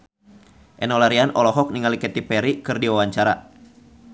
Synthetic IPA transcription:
ʔɛnɔlaɾianʔɔlɔɦɔk̚niŋalikɛt̪ipɛɾikɨrdiwawaɲt͡ʃaɾa

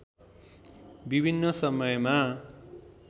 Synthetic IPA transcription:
bibʱinːʌsʌmʌjma

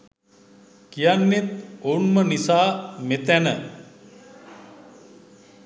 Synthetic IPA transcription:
kijanːet̪onmənisaːmet̪ænə

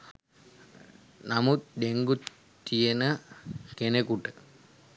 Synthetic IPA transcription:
namut̪d̪eŋɡut̪ː | ijenəkenekuʈə

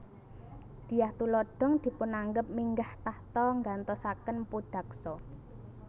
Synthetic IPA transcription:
d̪̥i̤jaht̪ulɔɖ̥ɔ̤ŋd̪̥i̤pʊnaŋɡəp̚miŋɡaht̪aht̪ɔŋɡant̪ɔsakənpud̥ä̤k̚sɔ

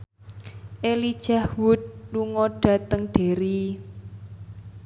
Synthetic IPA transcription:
ʔelid̥ʒ̥ahwʊt̪̚luŋɔɖ̥ä̤t̪əŋɖ̥e̤ɾi

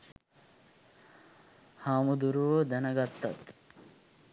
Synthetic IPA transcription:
haːmud̪uɾuʋoːd̪ɐnɐɡɐt̪ːɐ̰t̪

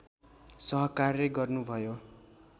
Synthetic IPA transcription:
sʌɦʌkarleɡʌrnubʱʌjo

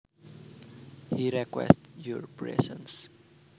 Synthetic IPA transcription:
hiɾɛkwɛ̰stjɔɹpɹɛ̰sə̃ns

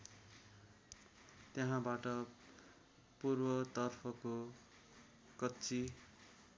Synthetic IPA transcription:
t̪jeɦãbaʈʌ | purbʌt̪ʌrpʰʌko | kʌtːt͡si

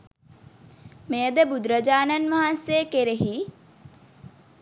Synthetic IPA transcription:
mejəd̪əbud̪ɾəd͡ʒaːnanʋaɦanseəkeɾeɦi

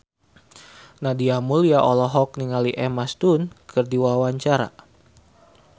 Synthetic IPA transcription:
nadiamuliaʔɔlɔɦɔk̚niŋaliʔɛmast̪unkʰɨrdiwawaɲt͡ʃaɾa̰

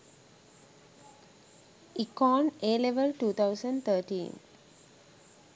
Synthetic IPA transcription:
ikɔ̃ːneːleʋəlʈuːt̪ʰawsəɳɖt̪ʰəːʈḭːn

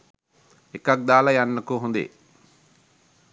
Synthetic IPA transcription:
ekɐk̚d̪aːlɐjɐnːɐkuɦund̪ḛ

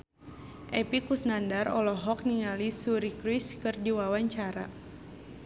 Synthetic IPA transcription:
ʔɛpikusnandarɔlɔɦɔk̚niŋalisuɾikɾiskɨrdiwawaɲt͡ʃaɾa̰

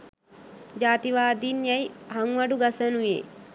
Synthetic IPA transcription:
d͡ʒaːt̪iʋaːd̪iːnjajhaŋʋaɖuɡasənujḛː

